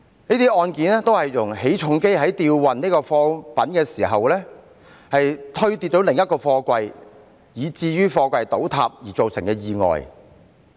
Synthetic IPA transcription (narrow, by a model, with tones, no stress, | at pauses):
niː˥t̪iː˥ʔɔː˧nkiː˨˥nɛː˥t̪o˥whɐ˨jːʊ˨˩ŋhe˨˥jt͡ʃʰʊ˧˥ŋke˥jɦɐ˨˥jt̪iː˧wwɐ˨nniː˥kɔː˧fɔː˧pɐ˨˥nkɛː˧siː˨˩ɦɐ˨wlɛː˥ | hɐ˨jt̪ʰɵ˥ɥt̪iː˧t̚t͡ʃo˨˥wlɪ˨ŋjɐ˥t̚kɔː˧fɔː˧kʷɐ˧j | jiː˨˧t͡siː˧jyː˥fɔː˧kʷɐ˧jt̪o˨˥wt̪ʰaː˧p̚jiː˨˩t͡so˨wsɪ˨˩ŋkɛː˧jiː˨˧ŋɔ̰ː˨j